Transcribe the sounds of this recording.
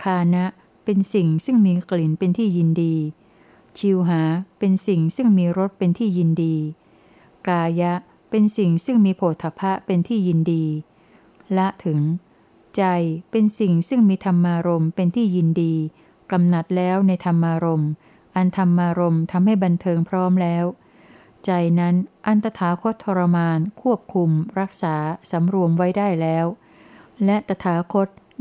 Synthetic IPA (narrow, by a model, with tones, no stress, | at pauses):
kʰaː˧na˦˥ʔ | pe˧nsi˨˩ŋsɯ˥˩ŋmiː˧kli˨˩˦npe˧nt̪ʰiː˥˩ji˧ndiː˧ | t͡ɕʰi˧wɦaː˩˦pe˧nsi˨˩ŋsɯ˥˩ŋmiː˧ɾo˦˥t̪̚pe˧nt̪ʰiː˥˩ji˧ndiː˧ | kaː˧ja˦˥ʔ | pe˧nsi˨˩ŋsɯ˥˩ŋmiː˧pʰoː˨˩t̪ʰːa˧pʰa˦˥pe˧nt̪ʰiː˥˩ji˧ndiː˧ | la˦˥ʔt̪ʰɯ˩˦ŋ | t͡ɕa˧jpe˧nsi˨˩ŋsɯ˥˩ŋmiː˧t̪ʰa˧mːaː˧ɾo˧mpe˧nt̪ʰiː˥˩ji˧ndiː˧ | ka˧mna˨˩t̪̚lɛː˦˥wna˧jt̪ʰa˧mːaː˧ɾo˧m | ʔa˧nt̪ʰa˧mʔːaː˧ɾo˧mt̪ʰa˧mha˥˩jba˧nt̪ʰɤː˧ŋpʰɾɔː˦˥mlɛː˦˥w | t͡ɕa˧jna˦˥nʔa˧nt̪a˧t̪ʰaː˩˦kʰo˦˥t̪ʰːɔ˧ɾa˧maː˧nkʰu˥˩əp̚kʰu˧mɾa˦˥k̚saː˩˦sa˩˦mɾu˧əmwa˦˥jdaː˥˩jlɛː˦˥w | lɛ˦˥t̪a˧t̪ʰaː˩˦kʰo˦˥t̪̚